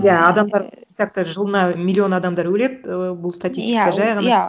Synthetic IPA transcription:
jæɑd̪ɑmd̪ɑɾk̪ak̚t̪əʒəlˠənɑmʲilʲːio̞nɑd̪ɑmd̪ɑɾwɵle̞d̪bʊlˠst̪atʲist̪ʲikd̪aʒɑjʁɑn

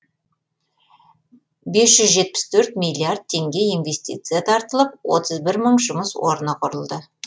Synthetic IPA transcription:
be̞sʒ̥ʏzʒe̞t̪̚pɪ̥st̪ʰɵɾt̪mʲijlʲːijard̪̚t̪ʰːe̞ŋɡʲe̞ijnve̞st̪ḭt̪sɨjat̪ʰɑɾt̪əlˠəp̚wo̞̰t̪ʰəzbɪɾməɴʒʊməswo̞̰ɾnəqʰʊɾəlˠd̪ə

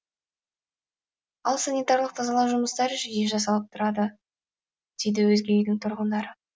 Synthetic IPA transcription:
ɑlˠsanʲijt̪ɑɾlˠəq̚t̪ʰɑzɑlˠɑwʒʊməst̪ɑɾɪʒɪjeʒɑs̬ɑlˠəp̚t̪ʰʊɾɑd̪ə | d̪̥e̞jd̪ɪwɵzɡʲejɪjd̪ɪŋt̪ʰʊɾʁənd̪ɑɾə

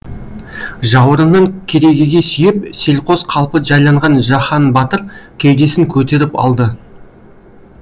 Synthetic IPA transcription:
ʒɑwəɾənəɴkʲʰe̞ɾe̞ɡʲɪɡʲe̞sʏjɪp̚se̞lqʰo̞zqʰɑlˠpəʒɑjlˠɑɴʁɑnʒɑχɑnbɑt̪əɾkʲʰejd̪e̞sɪŋkʲʰɵt̪e̞ɾɪpɑ̰lˠd̪ə

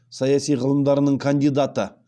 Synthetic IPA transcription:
sɑjɑsijʁəlˠəmd̪ɑɾənəɴkʰand̪ijd̪at̪ə

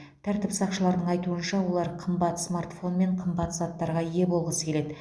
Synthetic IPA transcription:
t̪ʰæɾt̪ɪpsɑqʃəlˠɑɾd̪əɴɑjt̪uənʃɑwo̞lˠɑɾqʰəmbɑt̪smart̪fo̞nme̞ɴqʰəmbɑt̪z̥ɑt̪ːɑɾʁɑje̞bo̞lˠʁəsə̥kʲee̞d̪ɪ

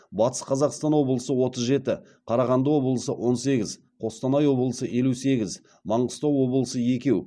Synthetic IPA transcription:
bɑt̪ə̥sqʰɑzɑqst̪ɑnwo̞bəlˠəsəwo̞t̪əzʒe̞t̪ɪ | qʰɑɾɑʁɑnd̪əwo̞bəlˠəsəwʔo̞nse̞ɡʲɪz | qʰo̞st̪ɑnɑjwo̞bəlˠəsəʔe̞luse̞ɡʲɪz | mɑɴəst̪ɑwwo̞bəlˠəsəje̞kʲe̞w

